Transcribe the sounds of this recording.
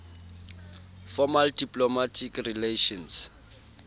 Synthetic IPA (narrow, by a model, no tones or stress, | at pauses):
fɔmaldipʼlɔmatʰikrileʃɔns